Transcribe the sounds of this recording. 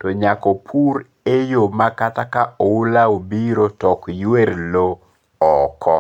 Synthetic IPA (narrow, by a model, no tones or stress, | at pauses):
tɔɲakɔpʰuɾ | ejomakatakaoulaobiɾotɔkjweɾlo | ɔkʰɔ